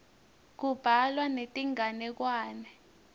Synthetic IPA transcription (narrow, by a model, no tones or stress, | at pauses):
k̬ub̥ʱalwanetʼiŋanɛk̬waːnɛ